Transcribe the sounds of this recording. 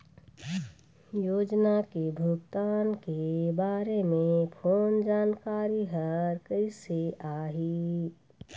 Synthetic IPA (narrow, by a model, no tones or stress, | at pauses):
joːd͡ʒnakebʱʊɡt̪aːnkebaːɾemẽpʰoːnd͡ʒaːnkaːɾiɦəɾkəɪseʔaːɦi